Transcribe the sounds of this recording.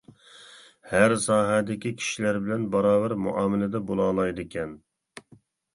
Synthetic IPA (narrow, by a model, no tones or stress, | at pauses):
hæɾsɑːɦɛd̪ɪkʲikʲʰi̥ʃilæɾbɪlɛnbɑɾɑːvæɾmṵʔɑːmɪlɪd̪ɛbolˠɑːlˠɑjd̪ɨkʲʰɛn